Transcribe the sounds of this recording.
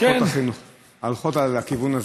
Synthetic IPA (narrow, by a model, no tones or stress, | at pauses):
oaχinuχ | alχot̪alakivunaz